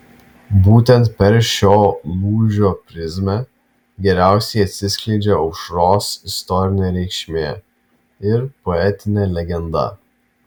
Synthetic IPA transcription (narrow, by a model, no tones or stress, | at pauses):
buːt̪ʲɛnt̪̚pʲɛɾʃʲoːlˠuːʒʲoːpʲɾʲɪzʲmʲɛ | ɡʲɛɾʲæˑʊsʲɛɪɐt̪ʲsʲɪsʲkʲlʲɛɪd͡ʒʲeɔʊʃɾoːsɪst̪ɔɾʲɪnʲeːɾʲɛɪkʃʲmʲeː | ɪɾpɔɛt̪ʲɪnʲeːlʲɛɡʲɛnd̪ɐ̰